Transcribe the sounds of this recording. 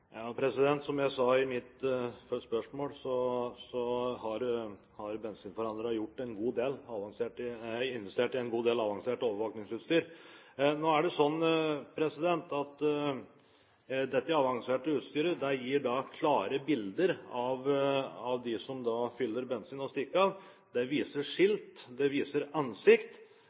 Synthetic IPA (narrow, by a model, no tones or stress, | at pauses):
jɑːpʰɾɛsɪd̪ɛnt̪sɔmjæɪsɑɪmɪt̪fspœʂmoːlsɔsɔhɑɾ | hɑɾbɛnsiːnfɔɾɑnd̪ɾəjʊʈːɛnɡuːd̪eːlɑʋɑŋseːʈɪɪnʋɛst̪eːʈɪɛnɡuːd̪eːlɑʋɑŋseːʈəoːʋəʋoːknɪŋsʉːt̪st̪yːɾ | noːæɖɛsɔnːpʰɾɛsɪd̪ɛnt̪ɑt̪ | d̪ɛt̪ːəɑɑʋɑŋseːʈəʉːt̪st̪yːɾəd̪æjiːɖɑkʰlɑːɾəbɪld̪əɾɑʋɑʋd̪ɪsɔmd̪ɑfʏlːəɾbɛnsiːnɔst̪ɪkːəɑʋ | d̪ɛʋiːsəʂɪlt̪d̪ɛʋiːsəɾɑnsɪkt̪